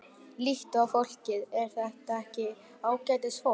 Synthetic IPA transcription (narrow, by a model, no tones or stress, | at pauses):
liht̪ʏafowl̥cɪðɛɾ̥θɛht̪aɛhcɪ | aːwcajt̪ɪsfo